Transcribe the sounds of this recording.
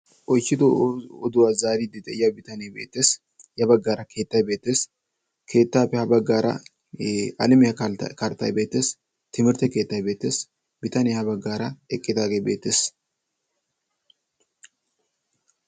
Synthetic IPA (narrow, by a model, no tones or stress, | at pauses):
ʔɔjt͡ʃːɪd̪ʊɔd̪ʊwaːzaːɾid̪ɪt̪ʼɛɪjɐbɪt̪ɐnebeːt̪ːeːs | jɐbɐɡːaːɾɐkʰe̞ːt̪ːɐjbe̞ːt̪ːe̞ːs | kʰe̞ːt̪ːaːpːɛhɐbɐɡːaːɾɐ̰ | ɐlɪmɪhɐkɐɾt̪ːɐjbe̞ːt̪ːeːs | t̪ɪmɪɾt̪ɛke̞ːt̪ːɐjbe̞ːt̪ːeːs | bɪt̪ɐnehɐbɐɡːaːɾɐɛkʼːɪd̪aːɡeːbḛːt̪ːeːs